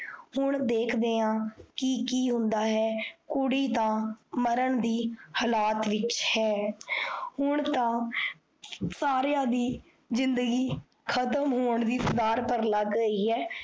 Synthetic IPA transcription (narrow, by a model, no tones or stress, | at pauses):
hʊɳd̪eːkʰd̪eːãːkɪikiːɦʊ̃nd̪aːɦɛːkʊɽiːt̪ãːməɾəɳd̪iːhəlaːt̪ʋɪt͡ʃhɛː | hʊɳ̃t̪ãː | saːɾjãːd̪iː | zɪnd̪əɡiː | kʰət̪əmɦoːəɳd̪iːsʊd̪aːɾpəɾləɡɾəiːɛː